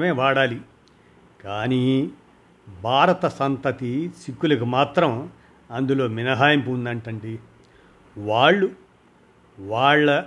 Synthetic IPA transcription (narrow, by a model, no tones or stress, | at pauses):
meːʋaːɽaːli | kaːniː | bʱaːɾɐt̪ɐsɐnt̪ɐt̪isikːulɐkumaːt̪ɾɐm | ɐnd̪ulo̞ːminɐɦaːjɐmpuːnd̪ɐɳʈɐɳɖi | ʋaːɭːu | ʋaːɭːɐ